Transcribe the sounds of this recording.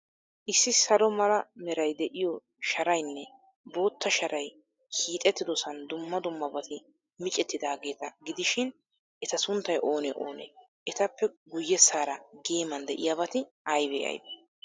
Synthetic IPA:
ʔɪsːɪsɐlɔmɐlɐmɛɾɐjd̪ɛʔɪjɔ | ʃɐɾɐjnːɛ | bo̞ːt̪ːɐʃɐɾɐj | kʰiːt̪ʼɛt̪ːɪd̪ɔsɐnd̪ʊmːɐd̪ʊmːɐbɐt̪ʰɪ | mɪt͡ʃʼɛt̪ːɪd̪aːɡe̞ːt̪ɐɡɪd̪ɪʃɪn | ʔɛt̪ɐsʊnt̪ːɐjʔo̞ːnɛʔo̞ːnḛ | ʔɛt̪ɐpːɛɡʊjːɛsaːɾɐɡe̞ːmɐnd̪ɛʔɪjabɐt̪ɪʔɐjbḛːʔɐ̰jbḛ

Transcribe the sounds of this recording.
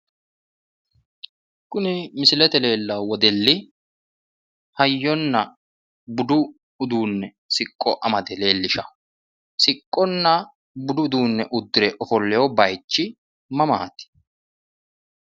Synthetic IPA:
kʊnɪmɪsɪlɛt̪ɛle̞ːlːɐwɔd̪ɛlːɪ | hɐjːɔnːɐ | bʊd̪ʊ | ʊd̪uːnːɛ | sɪkʼːɔʔɐmɐd̪ɛle̞ːlːɪʃɐ | sɪkʼːɔnːɐ | bʊd̪ʊd̪uːnːɛʔʊd̪ːɪɾɛʔɔfɔlːɛjɔbɐjt͡ʃːɪ | mɐma̰ːt̪ɪ̥

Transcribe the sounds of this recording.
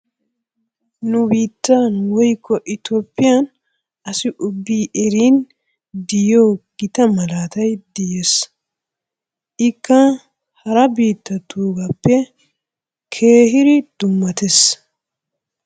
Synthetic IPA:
nʊbiːt̪ːaːnwɔjkːɔʔɪt̪ɔpːɪjɐn | ʔɐsɪʔʊbːiːʔɛɾiːn | d̪ɪjoːɡ̥ɪt̪ɐmɐlaːt̪ɐjd̪ɪjes | ʔɪkːɐ | hɐɾɐbiːt̪ːɐt̪uːɡɐpːɛ | kʰe̞ːɦɪɾɪd̪̥ʊmːɐt̪ɛs

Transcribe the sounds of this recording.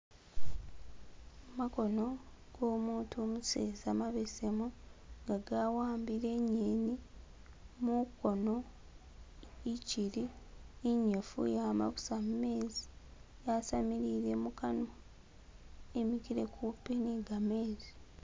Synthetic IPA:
mako̞no̞ | ɡ̥oːmuːntumusḛːzamaβesemuŋɡaɡawaːmbiɾe̞ɲeni | muko̞no̞ | iciɾiiɲːofṵjama̰ku̥samume̞ːzi̥ | jasamiɾiɾe̞mukano | e̞mikiɾe̞̰kʰupiniɡameːzi

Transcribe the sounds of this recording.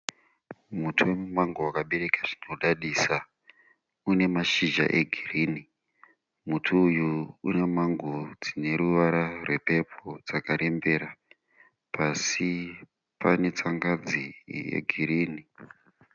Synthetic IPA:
mutʰuwemumaŋɡowakaɓeɾe̞kaʐinoɗaɗiːsa | une̞maʃiʒa̰ʔe̞ɡʱiriːni | mutʰuːjuune̞maŋɡod͡zine̞ɾuʋaɾarwe̞pe̞pʰod͡zakaɾʔe̞mbe̞ɾa | pasi | pʰane̞t͡saŋɡad͡zijḛɡʱiɾiːni

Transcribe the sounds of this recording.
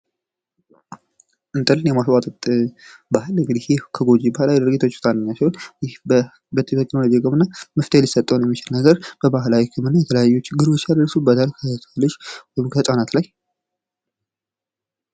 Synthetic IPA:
ʔɨnt̪ʼɨlːɨnjɛmaswʼat̪ʼət̪ʼbahɨlɨŋɡɨd̪ihjekʰəɡo̞d͡ʒibahalajɛd̪ɨɾɡit̪ʰo̞t͡ʃːt̪ʰʼanːɨɲːat͡ʃːɛwnjɪhbə | bət̪ʰit̪ʰɛknolod͡ʒiɡəmɨnːaməft̪ʰehelisət̪ʼːəwnjɛmːit͡ʃɪlnəɡəɾb̥əbaɦlawikʰɨmɨnːajɛt̪ʰələjajːut͡ʃːɡɨɾwot͡ʃːjad̪ɾəsubət̪ʰalkʰət̪ʰlːot͡ʃːwɔjɪmkʰəsʼanat̪laj

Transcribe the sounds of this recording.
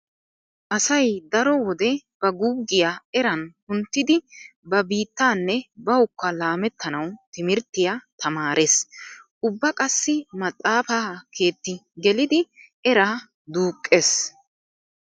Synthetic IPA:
ʔɐsɐjd̪ɐɾɔwɔd̪ɛb̥ɐɡuːɡːɪjaːɛɾɐnhʊnt̪ːɪd̪ɪbɐbiːt̪ːaːnːɛbɐʊkːɐlaːmɛt̪ːɐnɐwt̪ɪmɪɾt̪ːɪjat̪ʰɐmaːɾʔesʔʊbːɐkʼɐsːɪmɐt̪ʼːaːfaːkʰe̞ːt̪ːɪɡɛlɪd̪ɪ | ɛɾaː | d̪uːkʼːes

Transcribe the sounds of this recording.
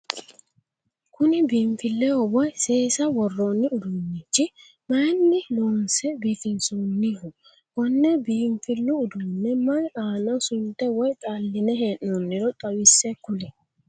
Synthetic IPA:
kʊnɪbiːmfɪlːɛɔwɔjseːsɐwɔrːoːnːɪʊd̪ʊnːɪt͡ʃːɪ | mɐjnːɪloːnsɛbiːfɪnsunːɪɦʊ | wɔnːɛbiːmfɪlːʊʊd̪ʊnːɛmɐnaːnɐsʊnt̪ːɛwɔjt̪ʼaːlːɪnɛɦeːʔːonːɪɾɔt̪ʼɐwɪsːɛkʊlɛ

